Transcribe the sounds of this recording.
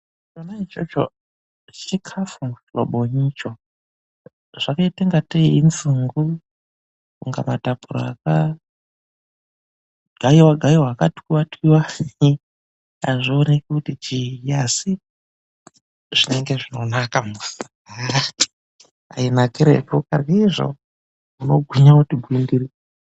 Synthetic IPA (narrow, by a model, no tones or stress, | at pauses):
t͡ʃonait͡ʃot͡ʃo̰ | t͡ʃikʰafumuflo̰ɓoɲit͡ʃo | ʐ̥akaiteŋɡateinzuŋɡu | kuŋɡa̰matapuɾo̰aka | ɡ̥ʱaiwaɡʱaiwaːkatwiwatwiwa | a̰ʐionekutit͡ʃijasi | ʐ̥ine̞ŋɡe̞ʐino̞nakamusa | ati̥ | a̰inakeɾḛkukarɡaiʐo̞̰ | uno̞ɡʱwiɲautibʱwindiɾi